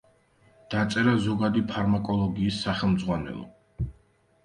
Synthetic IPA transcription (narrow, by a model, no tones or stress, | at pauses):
d̪̥at̪sʼɛɾazɔɡad̪ipʰaɾmakʼɔlˠɔɡiːsːaχɛlˠmd̪zʁwanɛ̰lˠɔ̰